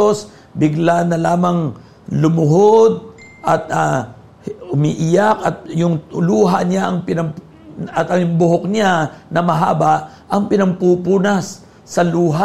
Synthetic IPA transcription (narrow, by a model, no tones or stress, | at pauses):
os | bɪɡlanɐlaːmɐŋ | lʊmʊɦod̪̚ | ʔɐt̪̚a | ʊmḭʔɪjakɐt̪̚jʊŋluːɦa̰ɲaʔɐŋpɪnɐp | ɐt̪ɐjʊŋbʊɦok̚ɲanɐmɐɦa̰ːbaʔ | ʔɐŋpɪnɐmpupuːnasː | ɐluːɦa